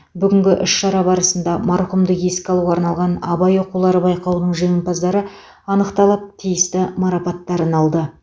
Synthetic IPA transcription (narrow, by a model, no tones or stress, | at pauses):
bʏɡʲɪŋɡʲɪʔʏʃʃɑɾɑbɑɾəsənd̪ɑmɑɾqumd̪əqje̞skʲɪɑlˠuʁɑɾnɑlˠʁɑnɑbɑjo̞qulˠɑɾəbɑjqɑwnəɴʒeɪmpɑzd̪ɑɾə | ɑnəqt̪ɑlˠəp̚t̪ʰijɪst̪ɪmɑɾɑpɑt̪ːɑɾənɑlˠd̪ə